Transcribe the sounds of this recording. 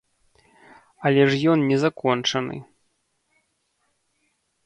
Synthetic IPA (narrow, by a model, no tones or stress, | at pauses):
ɐlʲɛʐjɔnnʲɛzakɔnt͡ʂɐnɨ̰